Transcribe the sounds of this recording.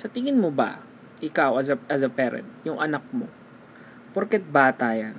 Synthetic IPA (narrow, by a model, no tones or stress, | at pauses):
sɐt̪ɪŋɪnmobɐ̰ | ʔɪkawɐzɐʔɐzɐpɛːɾɛ̰nt̪̚jʊŋʔɐnɐk̚mo̞ | poɾkɛt̪̚baːt̪aːjan